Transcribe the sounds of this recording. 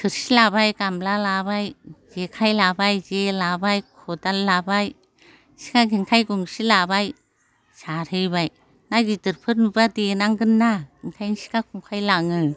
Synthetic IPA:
kʰɯɾsilabajɡamlalabajd͡ʒekʰajlabajd͡ʒelabajkʰɔdalabaj | si̥kaɡinkʰajɡuŋsilabaj | saɾɯjbaj | naɡidɯɾpʰɯɾnubadenaŋɡɯnːaɡinkʰajnsi̥kakʰuŋkʰajlaŋɯ

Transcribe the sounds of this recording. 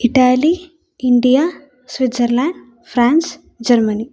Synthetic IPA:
iʈaːli | iɳɖija | sʋit̪sɐɾlãːɳɖ | pʰɾaːns | d͡ʒɐɾmɐni

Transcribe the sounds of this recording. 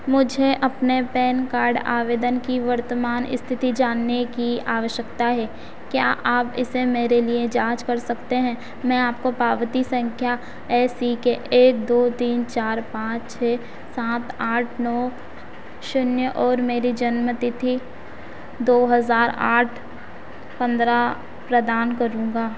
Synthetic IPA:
mʊd͡ʒʱeʔɐpnepɛːnkaːɾɖa̰ːʋeːd̪ənkiʋɐɾt̪əmaːnɪ̰st̪ʰɪt̪id͡ʒaːnːekiaːʋəʃjəkt̪aɦɛː | kja̰ːʔaːpɪ̰semeːɾelied͡ʒaːd͡ʒkɐɾsɐkt̪eɦɛ̃ː | mɛ̃aːpkopaːʋət̪isə̃ŋkʰja | ɛːsikeʔeːk̚d̪oːt̪iːnt͡ʃaːɾpãːt͡ʃt͡ʃʰeː | saːt̪aːʈʰnɔː | ʃʊnjəʔɔːɾmeːɾid͡ʒɐnmət̪ɪt̪ʰi | d̪oːɦɐzaːɾa̰ːʈʰ | pɐ̃nd̪ɾa | pɾəd̪aːnkɐɾũːŋɡaː

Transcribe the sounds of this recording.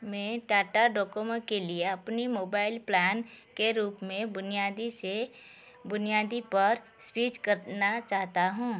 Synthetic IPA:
mɛ̃ːʈaːʈaɖɔːkomə̃kelieɐpnimoːbaːɪlplɛːnkeɾuːpmẽbʊnijaːd̪ise | bʊnijaːd̪ipəɾ | spiːt͡ʃkəɾnat͡ʃaːɦt̪aɦũː

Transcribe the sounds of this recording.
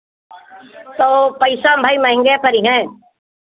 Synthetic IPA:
t̪oːpɐɪsambʱaimɐ̃ɦɪ̃ŋɡepɐɾiɦɛ̃

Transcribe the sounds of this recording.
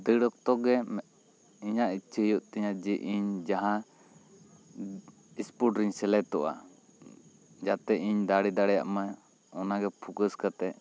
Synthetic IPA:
d̪əɽɔk̚t̪ɔɡɛmɛ | iɲaʔit͡ʃʰijuʔt̪ɛɲad͡ʒiʔiɲd͡ʒaɦã | ispuʈɾiɲsɛlɛt̪ɔʔa̰ | d͡ʒat̪ɛʔiɲd̪aɽid̪aɽɛja̰ʔma | ɔnaɡɛpʰukəskat̪ɛ

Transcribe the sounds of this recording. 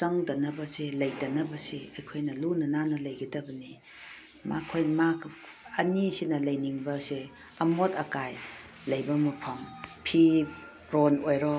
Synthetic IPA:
t͡ʃɐŋdɐnɐbɐselɐjdɐnɐbɐseɐjkʰojnɐlunɐnanɐlɐjɡidɐbɐni | makʰojmakʰ | ɐnisinɐlɐjniŋbɐse | ɐmotɐkaj | lɐjbɐmupʰɐmpʰi | ɾonojɾɔ

